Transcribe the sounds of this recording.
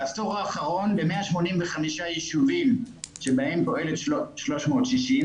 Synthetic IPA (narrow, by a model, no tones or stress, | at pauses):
astoʁaːχaʁo̞nlemeaʃmo̞nimveχamiʃajeʃuvimʃebahe̞mpo̞ʔe̞letʃlo̞ʃmo̞ːtʃiʃim